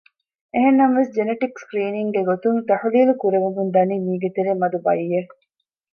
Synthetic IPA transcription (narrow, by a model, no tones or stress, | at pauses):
eɦenːɐmʋesd͡ʒeneʈikskɾiːniŋɡeɡot̪uŋt̪ɐħuliːlukuɾeʋumund̪ɐniːmiːɡet̪eɾeːmɐd̪ubɐjːe